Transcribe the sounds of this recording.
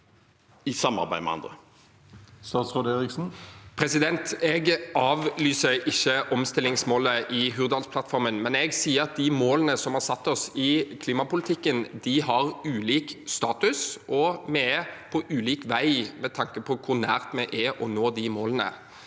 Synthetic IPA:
ɪsɑmɑ̰ʁbæɪmɛ̰ɑ̰nd̪ɾə̰ | st̪ɑːt̪sʁɛd̪eːɾɪksn̩pʰɾɛsɪd̪ɛnt̪ɛɡʔɑːʋlyːsəɾʔɪçːəʔɔmst̪ɪlɪŋsmoːləʔɪɦʉːʁd̪ɑlspʰlɑt̪fɔɾmənmɛnɛɡsiːəɾɑt̪̚d̪ɪmoːlənəsɔmhɑʁsɑt̪ːɔsɪkʰliːmɑpʊlɪt̪ʰɪkːənd̪ɪhɑʁʉːliːkst̪ɑːt̪ʉsʔɔmɛɛpʰɔʔʉːliːkʋæɪmɛt̪ʰɑŋkəpʰɔkʰʊʁnæːʁt̪mɛʔɛʔɔnoːd̪ɪmoːlənə̰

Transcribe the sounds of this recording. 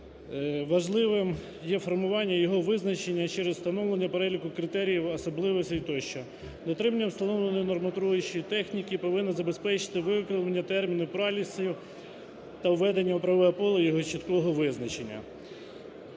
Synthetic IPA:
ʋɐʒlˠɪʋɪm | jɛfɔrmʊʋɑnʲːɐjɔɦɔʋɪznɐt͡ʃenʲːɐt͡ʃɛɾezst̪ɐnɔʋlˠenʲːɐpeɾɛlʲikʊkɾɪt̪ɛɾʲijiwɐsɔblˠɪʋɔsʲɐit̪ɔʃt͡ʃɔ | d̪ɔt̪ɾɪmɐnʲːɐwst̪ɐnɔwlˠenɔjinɔrmɐt̪ɾujʊt͡ʃijit̪ɛxnʲikʲipɔʋɪnːɐzɐbespɛt͡ʃɪ̥t̪ɪʋɪʋkɾɪlˠɐnʲːɐt̪ɛrmʲinʊpɾɑlʲisɐjʊ | t̪ɐwːɛd̪enʲːɐʊpɾɐʋɔjɛpɔlˠɐjɔɦɔt͡ʃit̪kɔɦɔʋɪznɐt͡ʃenʲːɐ̰

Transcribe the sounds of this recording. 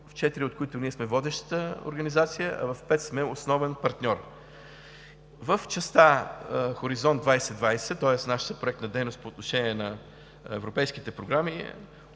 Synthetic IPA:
ft͡ʃɛt̪iɾiot̪koit̪ʊniɛsmɛvɔd̪ɛʃt̪ə̥t̪əo̰ɾɡənizat̪sijəʔɐ̰vɐfpɛt̪smɛosnɔvɛnpɐɾt̪nʲɔɾ | vəft͡ʃəst̪axoɾizɔnd̪vajsɛd̪vajsɛt̪ɔjɛsnaʃə̥t̪əpɾoɛk̚t̪nəd̪ɛjnost̪poːt̪noʃɛnʲiɛnɐ | ɛ̰vɾopɛjskit̪ɛpɾoɡɾami

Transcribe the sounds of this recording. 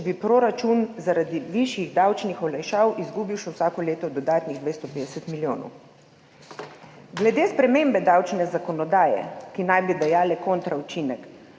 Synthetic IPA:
bipɾoɾat͡ʃunzaɾad̪iʋiʃjiɣd̪awt͡ʃnixɔlajʃaːwʔizɡuːbiwʃɛwsaːkɔleːt̪ɔd̪ɔd̪aːt̪niɣd̪ʋeːst̪ɔpeːd̪ɛsɛt̪miljoːnɔ̰w | ɡlɛd̪eːspɾɛmeːmbɛd̪awt͡ʃnɛzakɔnɔd̪aːjɛ̰kinajbid̪ajaːlɛkoːnt̪ɾaut͡ʃinɛk

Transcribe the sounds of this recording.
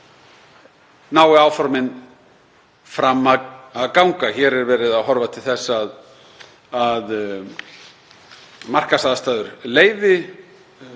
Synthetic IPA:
naːwɪaːwfɔɾmɪn | fɾamːaaðkawŋkaçɛɾɛɾvɛːɾɪðaðɦɔɾvat̪ʰɪlθɛsːað | að | mar̥kasaːðast̪aːðʏɾleːjðɪ

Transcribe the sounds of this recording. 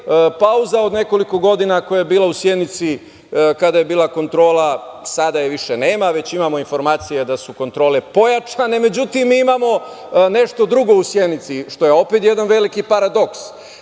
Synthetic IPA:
pauzao̞d̪ne̞ko̞liko̞ɡo̞d̪inakojajebiːlausjed̪nit̪si | kad̪aje̞biːlˠako̞nt̪ɾo̞ːlasad̪ajeʋiʃene̞ːmaʋe̞t͡ɕimamo̞info̞ɾmaːt̪sijed̪asuko̞nt̪ɾo̞ːlepo̞jat͡ʃane̞me̞d͡ʑut̪imːiimamo̞ | ne̞ʃt̪o̞d̪ɾuɡo̞usjed̪nit̪siʃt̪o̞je̞o̞pet̪jed̪anʋe̞likipaɾad̪o̞ks

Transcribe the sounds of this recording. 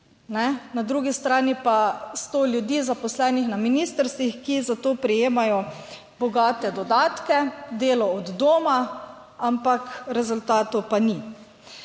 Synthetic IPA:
nɛnad̪ɾuɡist̪ɾaːnipast̪oːljud̪iːzapɔslɛːnixnaminiːst̪əɾst̪ʋixkizat̪oːpɾɛjeːmajɔ | bɔɡaːt̪ɛd̪ɔd̪aːt̪kɛd̪eːlɔɔd̪ːoːma | ampakɾɛzult̪aːt̪ɔpani

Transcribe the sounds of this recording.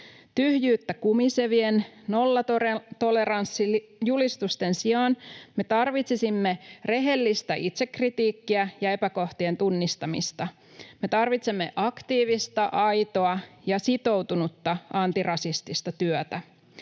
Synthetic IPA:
t̪yhjyːt̪ːækumiseʋie̞nno̞lːɑot̪ole̞ɾɑnsːijulist̪ust̪e̞nsiɑnme̞t̪ɑrʋit̪sisimːe̞re̞ɦe̞lːist̪æʔit̪se̞kːrit̪iːkːiæjɑe̞pæko̞ht̪ie̞nt̪unːist̪ɑmḭst̪ɑ | me̞t̪ɑrʋit̪semːe̞̰ʔɑkt̪iːʋist̪ɑʔɑjt̪o̞ɑjɑsit̪o̞wt̪unut̪ːɑʔɑnt̪irɑsist̪ist̪ɑt̪yœt̪æ

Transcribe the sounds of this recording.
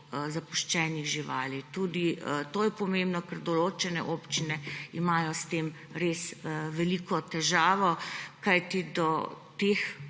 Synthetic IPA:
zapuʃt͡ʃɛːniɣʒiʋaːlit̪uːd̪it̪oːjɛpɔmẽmbnɔkɛɾd̪ɔloːt͡ʃɛnɛʔopt͡ʃinɛimaːjɔst̪eːm | ɾesʋɛliːkɔt̪ɛʒaːʋɔkajt̪id̪ɔ | t̪ex

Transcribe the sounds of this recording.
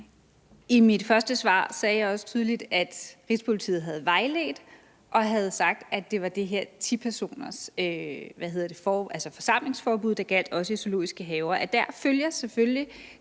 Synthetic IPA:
imid̥fɶɐsd̥əsʋɑ̰̈ːsɛːjɑ̈ɪɒ̽sə̥t͡sʰyð̞ˠəlid̥æd̥ʁispʰo̝lit͡sʰḭːð̩ˠɦæð̞̩ˠʋɑ̈ɪlḛːd̥ | ʔɒ̽ɦæð̞̩ˠsɑ̈ɡ̥̚d̥æ̥d̥e̝ʋɑ̈d̥e̝ɦeɐ̰t͡sʰipʰæɐso̝̰ːnɐsøʋæhe̝ð̰ˠɐd̥e̝fɒælsɒfɒ̽sɑ̈m̰le̝ŋsfɒːb̥uðˠd̥ɑ̈ɡ̥æl̰d̥ɒ̽səyso̝lo̝̰ːisɡ̥əɦɛːʊɐʔæd̥æɐ̰føljɐseføli

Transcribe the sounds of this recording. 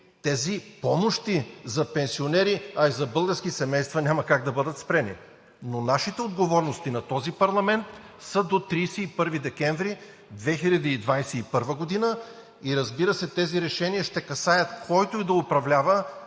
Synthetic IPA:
t̪ɛzipɔmoʃt̪izɐpɛnsionɛɾiɐizɐbɤlˠɡəɾskisɛmɛjst̪vɐnʲamɐkaɡ̚d̪ɐbɤd̪ət̪spɾɛnḭ | nonaʃit̪ɛod̪ɡovɔɾnost̪inɐt̪ɔzipɐɾlˠɐmɛnt̪ | səd̪ot̪ɾijsiːpɤɾvid̪ɛkɛɱvɾi | d̪vɛxilʲɐd̪iːd̪vajsɛipɤɾvəɡod̪inə | iɾɐzbiɾəsɛt̪ɛziɾɛʃɛniɐʃt̪ɛkɐsajət̪kʰɔjt̪oid̪ɐʊpɾɐvlʲavə

